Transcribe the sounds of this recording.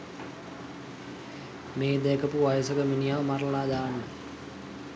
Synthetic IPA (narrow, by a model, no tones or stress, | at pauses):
meːd̪ekəpuʋajəsəkəminijaʋmarllaːd̪aːnːə